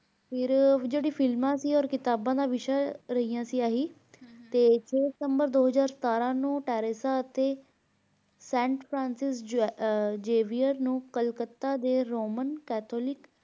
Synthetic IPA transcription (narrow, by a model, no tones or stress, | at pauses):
pʰɪɾd͡ʒeːɽiːpʰɪlmãːsiːɔːɾkɪt̪aːbãːd̪aːʋɪʃaːɾəɦiːjãːsiːaːɦiː | t̪eːt͡ʃʰeːsəmbəɾd̪oːɦəzaːɾsət̪aːɾãːnũːʈɛːɾesaːət̪eː | sɛ̃ːɳʈpʰɾãːnsɪs | d͡ʒeːʋiːəɾnũːkəlkət̪ːaːd̪eːɾoːmənkɛːt̪ʰoːlɪk